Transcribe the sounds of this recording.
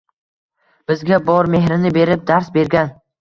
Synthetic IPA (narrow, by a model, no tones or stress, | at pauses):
b̥ɪzɡʲabɒɾme̞ɦɾɪnɪbe̞ɾɪp̚d̪aɾsbe̞ɾɡʲan